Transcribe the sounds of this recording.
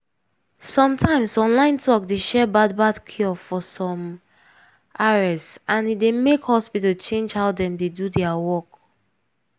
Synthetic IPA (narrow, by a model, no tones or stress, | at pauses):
sɔ̃mtʰãɪ̃msɔ̃nlãɪ̃ntʰɔkdeʃɛbad̚badkʰiɔfɔsɔ̃m | ʔaɹɛssãnidemekhɔspitəlt͡ʃẽnd͡ʒhaʊdɛ̃mdedudɛawɔk